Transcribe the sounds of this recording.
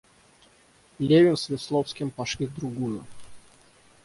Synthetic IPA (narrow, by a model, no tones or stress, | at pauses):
lʲevʲɪnsvʲɪslˠofskʲɪmpɐʂlʲid̪ɾʊɡujʊ